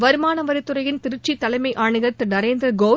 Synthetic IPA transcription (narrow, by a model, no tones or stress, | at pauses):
ʋɐɾɯmaːnɐʋɐɾɪt̪ːɯrɐjɪnt̪ɪɾɯt͡ʃːit̪ːɐlɐɪmɐɪʔaːɳɯɣɐt̪ːɯnɐɾeːnd̪ɾɐɡoː